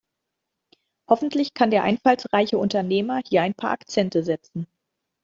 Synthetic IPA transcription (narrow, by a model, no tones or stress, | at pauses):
hɔfn̩tʰlɪçkʰandeːɐʔa̰ɪnfalsʁaɪçəʔʊntɐneːmɐhiːɐaɪnpʰa̰ːʔakt͡sɛntəzɛt͡sn̩